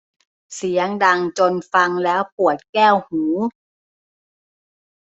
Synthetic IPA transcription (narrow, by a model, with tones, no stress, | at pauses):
si˩˦əŋda˧ŋt͡ɕo˧nfa˧ŋlɛː˦˥wpu˨˩ət̪̚kɛː˥˩whuː˩˦